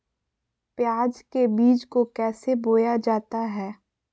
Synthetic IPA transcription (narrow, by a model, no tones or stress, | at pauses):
pjaːd͡ʒkebiːd͡ʒkokɛːseboːjad͡ʒaːt̪aɦɛː